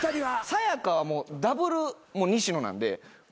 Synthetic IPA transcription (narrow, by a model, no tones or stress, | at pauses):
aɾiasajakaβamo̞ːd̪abɯ̟ɾɯ̟moɲ̟iɕino̞nã̰nd̪e̞̰